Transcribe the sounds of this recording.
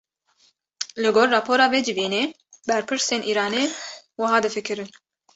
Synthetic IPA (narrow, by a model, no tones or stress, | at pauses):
lɨɡoːrːɑːpʰoːɾɑːveːd͡ʒɪviːneː | bɛɾpʰɨɾseːnʔiːɾɑːneː | wɨɦɑːd̪ɨfɨkʰɨɾɨn